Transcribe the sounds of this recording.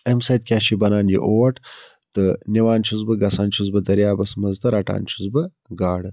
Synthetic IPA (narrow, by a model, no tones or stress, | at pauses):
emsajt̪̚kʲaːʃibɐnaːnjḭʔowʈ | t̪ɨniwaːnt͡ʃʰuzbɨɡɐsaːnt͡ʃʰuzbɨd̪ɐɾjaːbɐsmɐzd̪ɐɾaʈa̰ːnt͡ʃʰu̥zbə | ɡaːɽɨ